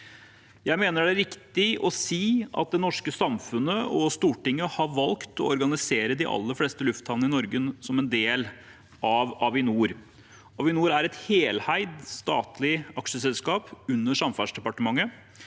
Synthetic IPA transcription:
jæɪmeːnəɖɛɾɪkt̪ɪɔsiːɑ̰t̪̚d̪ɛnɔʂkəsɑmfʉnəɔst̪uːʈɪŋːəhɑɾʋɑlkt̪ʰɔɔɾɡɑnɪseːɾəd̪ɪʔɑ̰lːəɾfleːst̪əlʉft̪ʰhɑln̩ɪnɔɾɡəsɔmɛnd̪eːl | ɑʋɑʋɪnuːɾ | ɑʋɪnuːɾæɾɛt̪heːlhæɪd̪st̪ɑ̰ːt̪lɪɑkʂəsɛlskɑːpʉnːəʂɑmfæʂd̪ɛpɑʈəmɑŋːə

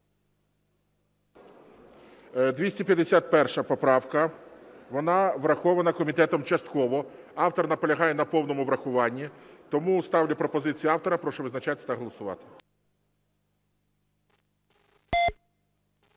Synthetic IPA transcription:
d̪ʋʲisʲipʲjɐd̪esʲat̪̚pɛrʃɐpɔpɾɑwkɐʋɔnɑʋɾɐxɔʋɐnɐkɔmʲit̪ɛt̪ɔmt͡ʃɐst̪kɔʋɔ | ɑwt̪ɔrnɐpɔlʲɐɦɑjɛnɐpɔwnɔmʊʋɾɐxʊʋɑnʲːit̪ɔmust̪ɑwlʲɐpɾɔpɔzɪt͡sʲijiɑwt̪ɔɾɐpɾɔʃɔʋɪznɐt͡ʃɑt̪ʲɪ̥t̪ɐɦɔlˠɔsʊʋɑ̰t̪ɪ̥

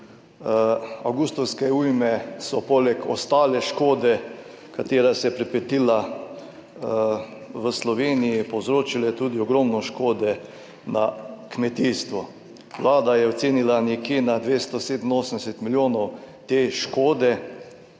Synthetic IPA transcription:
awɡust̪ɔwskɛujmɛsɔpoːlɛkɔst̪aːlɛʃkoːd̪ɛ | kat̪eːɾasɛjɛpɾɛpɛt̪ila | ʋəslɔʋeːnijipowzɾoːt͡ʃilajɛt̪uːd̪iɔɡɾɔmnɔʃkoːd̪ɛ | nakmɛt̪iːst̪ʋɔ | ʋlaːd̪ajɛɔt̪seːnilanjɛkjeːnad̪ʋeːst̪ɔseːd̪ənoːsənd̪ɛsɛt̪miljoːnɔw | t̪eːʃkoːd̪ɛ

